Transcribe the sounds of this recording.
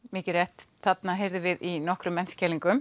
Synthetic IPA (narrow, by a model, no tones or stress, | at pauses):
mɪːcɪɾrɛht̪θat̪naɦeːjɾðʏvɪðinɔhkɾʏmːɛnscʰɛːliŋkʏm